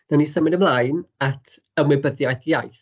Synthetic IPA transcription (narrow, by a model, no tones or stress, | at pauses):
nanisəmɪdəmlˠaɨnatʰ | əmwɪbəðjajθjajθ